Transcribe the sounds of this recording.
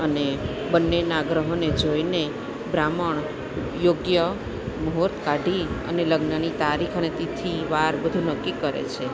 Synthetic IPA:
əne | bənːenaɡɾəɦoned͡ʒoine | bɾaməɳ | joɡjə | mɦoɾt̪ʰkaɖʱiə̰neləɡnənit̪aɾikʰənet̪it̪ʰiʋaɾbəd̪ʱunəkːikəɾḛt͡ʃʰe

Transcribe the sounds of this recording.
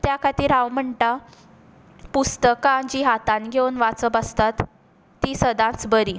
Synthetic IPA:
t̪jakʰat̪iːɾaʋm̤əɳʈa | pust̪əkãd͡ʑiɦat̪ãnɡʱewnʋat͡səbəst̪at̪ː | isəd̪ãt͡sbəɾi

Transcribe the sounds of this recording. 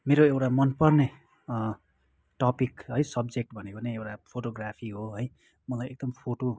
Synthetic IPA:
meɾoewʈamʌnpʌrne | ʈʌpikɦʌjsʌbd͡zek̚ʈbʱʌnekoneewʈapʰoʈoɡrapʰiɦoɦʌj | mʌlajʔek̚d̪ʌmpʰoʈo

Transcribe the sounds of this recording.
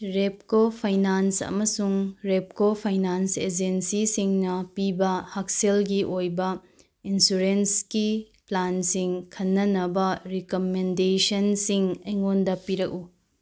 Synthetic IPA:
ɾep̚kopʰajnansɐ̰mɐsuŋɾep̚kopʰajnansed͡ʒensisiŋnɐpibɐhɐk̚selɡiʔojbɐ | insuɾenski | plansiŋkʰɐnːɐnɐbɐɾikomendesɐnsiŋɐjŋondɐpiɾɐk̚u

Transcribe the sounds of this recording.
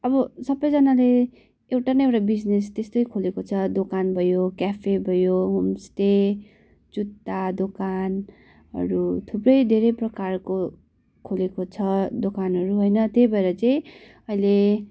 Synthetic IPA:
ʌbʌsʌbʌjd͡zʌnale | ewʈanʌewʈabid͡znest̪est̪ojkʰolekot͡sʰʌd̪okanbʱʌjokjapʰebʱʌjoɦumst̪e | t͡sut̪ːad̪okan | ɦʌ̰ɾut̪ʰuprʌjd̪ʱeɾʌjprʌkarko | kʰolekot͡sʰʌd̪okanɦʌɾuɦojnʌt̪jejbʱʌeɾʌt͡sajĩ | ʌjle

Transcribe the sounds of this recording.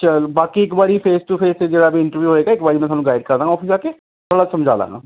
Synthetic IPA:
t͡ʃəlbaːkiːɪkbaːɾiːpʰeːsʈupʰeːsed͡ʒeːɽaːbiːɪ̃ɳʈəɾʋjuːɦoːeːɡaːɪkbaːɾiːmɛ̃ːt̪ʰanũːɡaːɪɖkəɾd̪aːŋɡaɔːpʰisaːke | t̪ʰoːɽaːsəmd͡ʒa̰ːla̰ːŋɡa̰ː

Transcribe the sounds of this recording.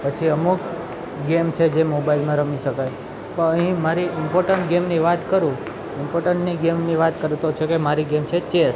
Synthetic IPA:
pət͡ʃʰiəmuk | ɡemt͡ʃʰed͡ʒemobailmãɾəmiʃəkaj | pəəɦĩmaɾiɪmpoɾʈəɳʈɡemniʋat̪kəɾũ | ɪmpoɾʈəɳʈniɡemniʋat̪kəɾut̪ot͡ʃʰekemaɾiɡemt͡ʃʰet͡ʃes

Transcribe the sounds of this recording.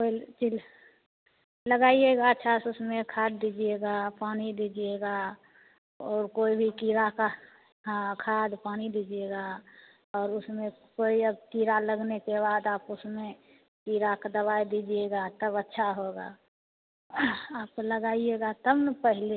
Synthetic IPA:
koit͡ʃil | ləɡaieɡaətːʃʰasʊsmẽkʰad̪̚d̪id͡ʒieɡapaːnid̪id͡ʒieɡa | ɔːɾkoːibʱikiːɾakã | kʰaːd̪paːnid̪id͡ʒieɡa | ɔːɾʊsmẽkoːiəbkiɾaləɡnekebaːd̪aːpʊsmẽ | kiɾakad̪əβaid̪id͡ʒieɡat̪əbətːʃʰaɦoɡa̰ | aːp̚koləɡaːieɡat̪əbnəpəɦle

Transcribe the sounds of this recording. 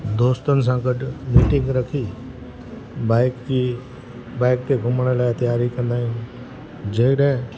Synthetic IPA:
d̪oːst̪ənɪ̆s̬ãɡəɖmiːʈɪ̃ŋɡɾəkʰi | baɪki | baːɪk̚t̪eɡʱʊməɽ̃laːt̪ijaːɾikɐ̃nd̪aːɦĩː | d͡ʒeːkɽẽ

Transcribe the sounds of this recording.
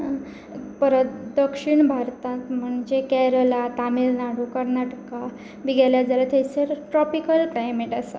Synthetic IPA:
pəɾət̪d̪əkʂiɳbʱaɾt̪ãt̪m̤əɳd͡ʑekɛɾəlat̪amilnaɽukəɾnaʈka | biɡɛljad͡zalat̪ʰejseɾʈɾɔpikəlklajmeʈasa̰

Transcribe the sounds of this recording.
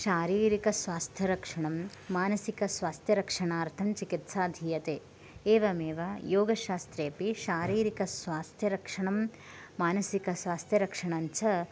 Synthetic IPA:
ʃaːɾiːɾikɐsʋaːst̪ʰjɐɾɐkʂɐɳɐmː | aːnɐsikɐsʋaːst̪ʰjɐɾɐkʂɐɳaːɾt̪ʰɐmt͡ʃikit̪saːd̪ʱijɐt̪eː | eːʋɐmeːʋajoːɡɐʃaːst̪ɾeːpiʃaːɾiːɾikɐsʋaːst̪ʰjɐɾɐkʂɐɳɐm | maːnɐsikɐsʋaːst̪ʰjɐɾɐkʂɐɳaɲt͡ʃɐ

